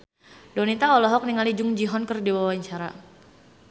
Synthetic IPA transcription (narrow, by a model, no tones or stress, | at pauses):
donit̪aɔlɔɦɔk̚niŋalid͡ʒʊŋd͡ʒiɦɔnkərdiwawaɲt͡ʃaɾa̰